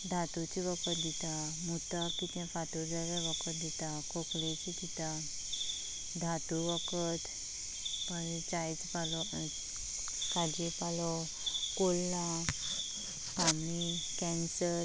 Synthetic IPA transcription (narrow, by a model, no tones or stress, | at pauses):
d̪ʱat̪ut͡ɕiʋəkət̪̚d̪it̪a | mut̪akit̪ɛ̃fat̪ɔd͡zaɾaʋəkət̪̚d̪it̪akoklet͡ɕit̪it̪a | d̪ʱat̪uʋəkət̪ | pəɾit͡ɕajt͡spalɔ | kad͡ʑipalɔ | kolːa | kami | kɛ̃nsəɾ